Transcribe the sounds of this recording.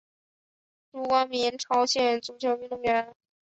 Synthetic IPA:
ʈ͡ʂu˧˥kwɑ˧˥ŋmi˧˥nʈ͡ʂʰɑ˧˥ʊɕjɛ˧˥˩nt͡su˧˥˩t͡ɕʰjo˧˥ʊy˥˧nt̪ʊ˥˩ŋjɥɛ˧˥n

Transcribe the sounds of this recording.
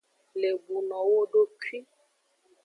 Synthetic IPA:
le˨bu˨nɔ̃˨wo˦ɖo˦ki˦

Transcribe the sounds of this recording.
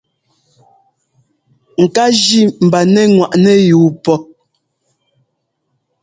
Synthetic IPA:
ŋ̩˨ka˦d͡ʒi˦m̩˨ba˨nɛ˦ŋwa˨ʔnɛ˦juː˨˦pɔ˦

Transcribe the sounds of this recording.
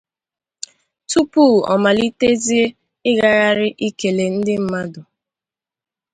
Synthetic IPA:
tu˦pu˦˨ɔ̰˨ma˨li˦te˦zi˦e˦ | ɪ˦ɣa˦ɣa˦ɾɪ˦ʔi˦ke˨le˨n̩˦dɪ˦m̩˨ma˦dʊ˨

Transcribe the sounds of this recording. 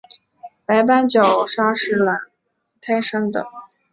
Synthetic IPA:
pa˧˥ɪpa˥nt͡ɕjo˨˩ʊʂa˥ʂɻ̩˥˩la˨˩n | t̪ʰa˥ɪʂə˥ŋd̪ə̰˨˩

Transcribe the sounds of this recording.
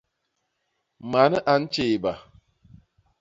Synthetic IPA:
ma˨˦nə˦ʔa˨n̩˦t͡ʃeː˨ba˨

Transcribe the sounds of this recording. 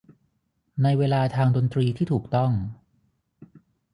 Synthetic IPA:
na˧jweː˧laː˧t̪ʰaː˧ŋdo˧nt̪ɾiː˧t̪ʰiː˥˩uː˨˩k̚t̪ɔ˥˩ŋ

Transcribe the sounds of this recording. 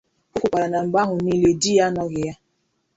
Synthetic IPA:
ʊ˦kʷʊ˨k͡pa˨ɾa˨na˨ŋ͡m̩˨ɡ͡ba˦ɦʊ˨ni˦le˨di˦ja˦nɔ˦ɣɪ˨ja˦

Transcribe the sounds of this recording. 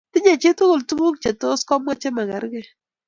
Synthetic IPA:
tɪ˦ɲe˨t͡ʃɪ˦tʊ˦ko˨ltu˦mo˦k̚t͡ʃe˨to˦skɔ˦mwa˦t͡ʃe˦ma˨ŋa˨ɾɡɛ˦

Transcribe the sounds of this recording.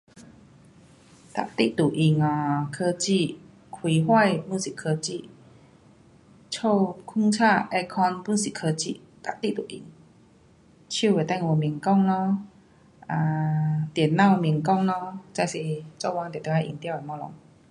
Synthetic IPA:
t̪a̰˨t̪ḭ˧˥˨t̪u˨˩ʔi˧˩ŋɔ˨˩kʰɤː˧t͡ɕi˧˩˨ | kʰwi˨˦ɦwa˥˨jpu˧˨si˨˩kʰə˧t͡ɕi˧˨ | t͡ɕʰo˥˧˩wkʰu˥˨ŋt͡ɕʰa˥˩ʔɛ˧kʰɔ˧npu˧˩˨si˨˩kʰəː˧t͡ɕḭ˧˨ | t̪a̰˨ʔt̪i˦˥˨t̪u˨˩ʔḭ˨˦ŋ | t͡ɕʰi˧˥˨we˨˩t̪a˥˩ŋwɔ˧˩mi˨˩əŋkɔ˥˨ŋlɔ˧˦ | ʔa˨˧˩t̪i˨˩ə˦nːã˥˩wmi˨˩əŋkɔ˥˧˨ŋlɔ˧˥t͡ɕa˧jsi˨˩t͡ɕɔ˧˩˨wa˧ŋt̪t̪ə˧ha˧˨ʔḭ˧ŋt̪wa˨jmɔ˧lɔ̰˧˦ŋ

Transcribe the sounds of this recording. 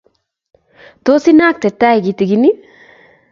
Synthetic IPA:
t̪o˦si˦na˦k̚t̪e˨t̪a˦i˨ɡi˨t̪i˨ɡini˦

